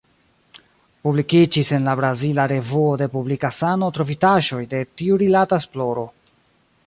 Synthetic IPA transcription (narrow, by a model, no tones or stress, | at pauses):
publikid͡ʒise̞nlabɾazilaɾe̞vuode̞publikasano̞tɾo̞fitaʒo̞jde̞tiuɾilataesplo̞ɾo̞